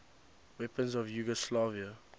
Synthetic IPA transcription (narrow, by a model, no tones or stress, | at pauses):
wɛpə̃nzɔvjuɡɔslaːviə